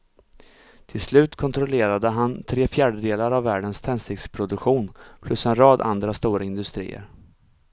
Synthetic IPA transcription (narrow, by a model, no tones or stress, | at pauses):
t̪ʰɪlslʉ̟ːt̪kʰɔnt̪ʰɾɔleːɾad̪əɦant̪ʰɾeːfjæːɖəd̪eːlaɾavːæːɖənst̪ʰɛnsɪkspʰɾʊd̪ɵkɧuːnpʰlɵsɛnɾɑːd̪a̰nd̪ɾast̪uːɾaɪnd̪ɵst̪ɾḭːə̰ɾ